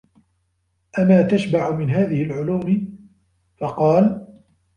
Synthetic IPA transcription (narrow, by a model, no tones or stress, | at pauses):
ʔamaːt̪aʃbaʕʊmɪnɦaːðɪhɪlʕʊluːmɪ | fɑqɑːl